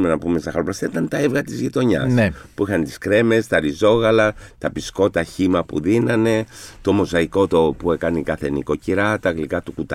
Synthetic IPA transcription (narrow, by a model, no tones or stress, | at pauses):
menɐpumest̪ɐxɐɾoplɐst̪ɐit̪ɐnt̪ɐevɣɐt̪izʝit̪o̞ɲɐ̰snepuixɐnt̪i̥skɾe̞me̞st̪ɐɾizo̞ɣɐlɐt̪ɐpisko̞t̪ɐçimɐpṵðinɐne̞t̪o̞mo̞zɐiko̞t̪opue̞kɐnikɐθe̞niko̞ciɾɐt̪ɐɣlikɐt̪ukut̪ɐ